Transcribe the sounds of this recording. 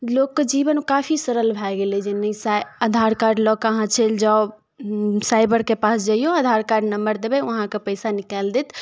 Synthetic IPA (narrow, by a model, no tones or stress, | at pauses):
lokːed͡ʒibənkafʰisəɾəlbʱaɡelɛd͡ʒenəisajəd̪ʱaɾkaɾɖlɔkaɦãt͡ʃʰɛld͡ʒa | sajbəɾkepasd͡ʒajoəd̪ʱaɾkaɾɖnəmbəɾd̪ebɛəɦãkepəɪsanikɛld̪et̪